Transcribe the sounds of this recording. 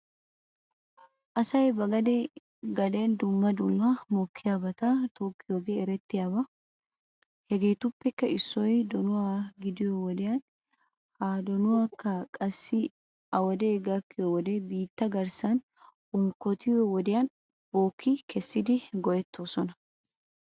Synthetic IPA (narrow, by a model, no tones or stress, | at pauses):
ʔɐsɐjbɐɡɐd̪ɛ | ɡɐlend̪ʊmːɐd̪ʊmːɐmɔkʰːɪjaːbɐt̪ɐt̪oːkːɪjoɡeɛɾɛt̪ːɪjaːbɐ | hɛɡe̞ːt̪ʊpːɛkːɐɪsːɔjd̪ɔnʊwaːɡɪd̪ɪjɔwɔd̪ɪjɐn | haːd̪ɔnʊwaːkːɐkʼɐsːɪ | ɐwɔd̪eːɡɐkːɪjɔwɔd̪ɛbiːt̪ːɐɡɐɾsɐn | ʊŋkːɔt̪ʰɪjɔwɔd̪ɪjɐn | boːkʰːɪkɛsːɪd̪ɪɡɔjɛt̪ʰːoːsɔnɐ